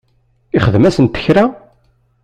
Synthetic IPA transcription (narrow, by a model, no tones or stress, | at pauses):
ɪχəðmæsənt̪ə̥çɾa